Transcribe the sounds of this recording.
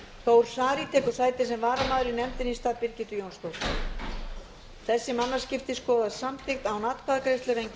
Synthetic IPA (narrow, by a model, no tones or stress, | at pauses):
θowɾ̥saːɾit̪ʰɛːkʏɾ̥saːjt̪ɪ̥sɛmvaːɾamaːðʏɾinɛmt̪ɪnist̪aːðpɪɾcɪt̪ʏjownst̪owɾ | θɛsːɪmanːascɪft̪ɪskɔːðaðsamt̪ʰɪxt̪awnaːt̪kʰaðakɾejst̪ʏɾejŋcɪ